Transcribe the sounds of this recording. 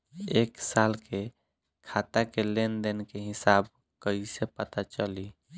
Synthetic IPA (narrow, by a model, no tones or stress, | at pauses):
eːksaːlkʰe | kʰaːt̪akelend̪enkeɦɪsaːb̚ | kəisepət̪at͡ʃəli